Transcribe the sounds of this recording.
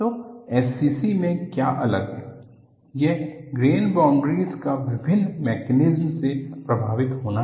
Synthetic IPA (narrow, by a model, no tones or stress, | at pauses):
t̪oɛːsiːsimẽkja̰ːʔɐləɡɦɛː | jeɦɡɾeːnbãːɳɖɾiːzkaʋɪbʱɪnːmɛːkɛnɪzmsepɾɐbʱaːʋɪt̪ɦoːna